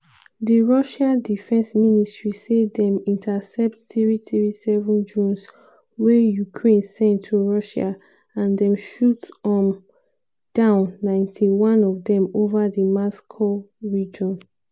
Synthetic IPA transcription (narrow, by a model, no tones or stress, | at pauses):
diɹɔʃãdifɛ̃nsministɹisedɛ̃mĩntʰasɛp̚tθɹiθɹisɛvɔ̃nd͡ʒũns | wɛjukʰɹẽnsɛ̃ntʰːuɹɔʃa̰ | ãndɛ̃mʃutɔm | d̥ãʊ̃nːãɪ̃ntʰiwɔ̃nɔvdɛ̃movadəmɔskʰoɹid͡ʒɔ̃n